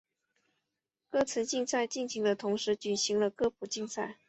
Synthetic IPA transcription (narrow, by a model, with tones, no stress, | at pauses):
kɤ˥˩t͡sʰə˧˥nt͡ɕi˥˧ŋsa˥˧ɪt͡ɕi˥˩nɕi˧˥ŋd̪ə˧t̪ʰʊ˧˥ŋʂɻ̩˧˥t͡ɕy˨˩ɕi˧˥ŋlə˧kɤ˥˧pʰu˨˩t͡ɕi˥˧ŋsa˥˩ɪ